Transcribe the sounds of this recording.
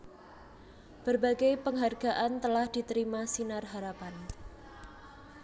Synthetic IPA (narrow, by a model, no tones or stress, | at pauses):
b̥ərbaɡepəŋɦarɡ̥a̤ʔant̪əlahd̪̥i̤t̪əɾimasinarɦaɾapan